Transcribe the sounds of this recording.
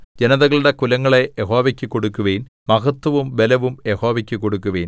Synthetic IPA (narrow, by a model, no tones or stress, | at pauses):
d͡ʑenɐðɐɣɐɭuɽe̞kulɐŋːɐɭe̞jeɦo̞ːʋɐkʲːɨkːoɽukːuʋeːn | mɐɣɐt̪ːwɐʋumʋelɐʋumjeho̞ːʋɐkʲːɨkːoɽukːuʋeːn